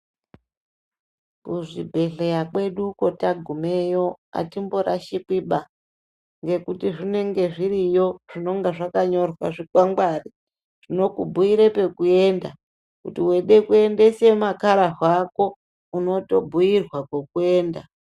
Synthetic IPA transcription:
kuʐibʱe̞ɬe̞jakwe̞ɗuko̞taɡʱume̞jo̞a̰timbo̞ɾaʃikwiɓa | ŋɡe̞kutiʐine̞ŋɡe̞ʐiɾijo̞ʐ̥ino̞ŋɡaʐakaɲo̞rwa̰ʐikwaŋɡwari | ʐ̥ino̞kubʱuiɾe̞pe̞kue̞ːnda | kutiwe̞ɗe̞kue̞nde̞semakaɾaɦwako̞ | uno̞to̞bʱujirwakwokue̞ːnda

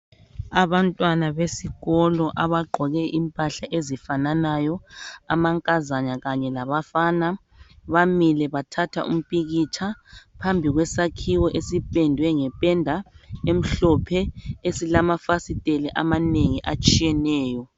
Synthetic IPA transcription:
aβantʼwanaβesiɣɔlɔʔaβaɡ͡ǃʱɔɣɛʔimpʼaɬaʔezifananajɔamaŋkʼazaɲaɣaɲɛlaβafaːna | βamilɛβatʰatʰa̰ʔṵm̩pʼiɣit͡ʃʰapʰambʱiɣwɛsakʰiwɔʔesipʼɛndʱwɛŋɛpʼɛndʱaem̩ɬɔpʰɛesilamafasitʼelɛʔamaneŋiʔat͡ʃʼijɛnɛːjɔ

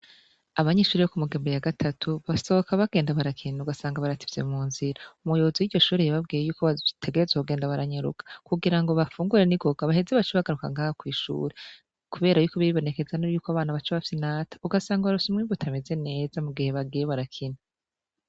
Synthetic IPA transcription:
aβaɲeːʃuːɾijokumuɡeːmbejaɡatʰatʰuβaso̞okʰaβaɡ̥e̞ːndaβaɾakʰinauɡasaːŋɡaβaɾati̥vze̞̰muːnziɾaumujoβoziwiɾɟo̞ʃuːɾijaβab̚ɡiːjejuːkoβatʰe̞ɡeɾezekuɡe̞ːndaβaɾaɲeɾṵkḁkuɡiɾaŋɡo̞βafuːŋɡuɾeniɡo̞ɡ̥aβahe̞ze̞βat͡ʃiβaɡaɾuka̰ŋɡaːhokwiːʃṵːɾe | kuβe̞ːɾajuːko̞βiiβo̞ne̞ke̞zanujuːkoaβaːnaβat͡ʃaβafisinaːtḁuɡasaːŋɡaβaɾusumŋiːmbutʰame̞ze̞ne̞ːzamuɡihe̞βaɡijeβaɾakʰina

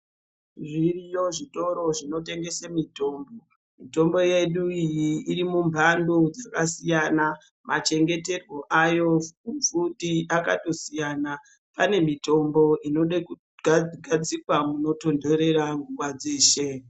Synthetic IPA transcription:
ʐirijo̞ʐito̞ɾo̞ʐino̞te̞ŋɡe̞semito̞ːmbo | mito̞mbo̞je̞ɗuijiːɾimumbʱandod͡zakasijana | mʔat͡ʃe̞ŋɡe̞te̞rwo̞ʔajo̞ufutiʔaka̰to̞sijaːna | pane̞mito̞mbo̞ʔino̞ɗeku | ɡʱad͡zikwamuno̞to̞nde̞ɾe̞ɾaŋɡuwad͡zeːʃe

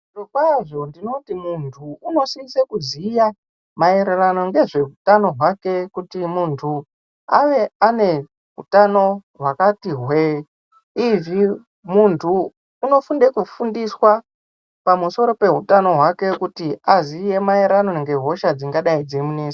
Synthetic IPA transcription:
ʐokwaʐo̞ndino̞timuntʰuuno̞siisekuziːja | mae̞ɾerano̞ŋɡe̞ʐe̞ɦutano̞ɦwake̞kutimuntʰu | aʋe̞ane̞ | ɦṵtano̞ɦwakatiɦwe | ivi | muntʰuː | no̞funde̞kufundiswa | pamuso̞ɾo̞pe̞ɦutano̞ɦwake̞kutiaziːje̞mae̞ɾano̞ŋɡe̞ɦo̞ʃad͡ziŋɡaɗaid͡zemuneːse

